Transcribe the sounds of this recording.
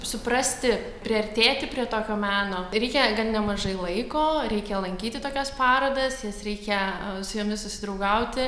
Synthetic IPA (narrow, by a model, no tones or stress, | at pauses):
sʊpɾɐsʲt̪ʲɪ | pʲɾʲɪɐrʲt̪ʲeːt̪ʲɪpʲɾʲiɛt̪oːkʲoːmʲæːnoːɾʲɛɪkʲɛɡɐnnʲɛmɐʒɐɪlˠɐɪkoːɾʲɛɪkʲɛlˠɐŋʲkʲiːt̪ʲɪt̪oːkʲɛspɑːɾoːd̪ɐsjɛsɾʲɛɪkʲɛsʊjoːmʲɪssʊsʲɪd̪rɐʊɡɐʊt̪ʲɪ